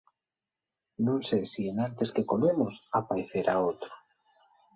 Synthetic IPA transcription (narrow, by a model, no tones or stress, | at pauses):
nũŋsejsienãnt̪eskekomemosapajθeɾaot̪ɾo̥